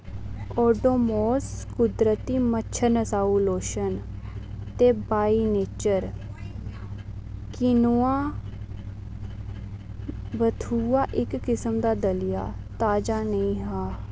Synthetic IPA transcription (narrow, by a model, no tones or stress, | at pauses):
ɔːɖoːmoːskʊd̪ɾət̪iːmətːt͡ʃʰənəsaːuloːʃən | t̪eːbaːineːt͡ʃəɾ | kɪnuãː | bət̪ʰuːaːʔɪkːɪsəmd̪aːd̪əlɪja̰ːt̪aːd͡ʒaːnəĩːɦaː